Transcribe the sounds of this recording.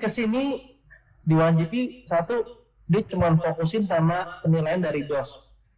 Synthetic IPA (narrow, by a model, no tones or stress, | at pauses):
kəsini | diwad͡ʒipisat̪u | dit͡ʃəŋuanfokusɪnsamapənilajandaɾidɔs